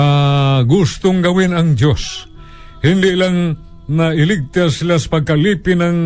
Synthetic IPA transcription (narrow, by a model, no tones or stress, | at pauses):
aɡʊst̪ʊŋɡɐwɪnaŋd̪jos | hɪnd̪ɪʔlaŋ | naɪlɪɡ̚t̪asɪlaspaɡ̚kalipɪnaŋ